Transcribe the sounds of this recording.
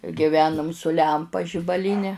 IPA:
ɡʲɪˈʋʲæːnʊm sʊ ˈlʲɛmpɐ ʒʲɪbɐˈlʲiːnʲɛ

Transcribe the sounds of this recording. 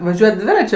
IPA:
ʋɐˈʒʲuɔjɛt ˈdʲʋʲɪrɐt͡ʃʲʊ

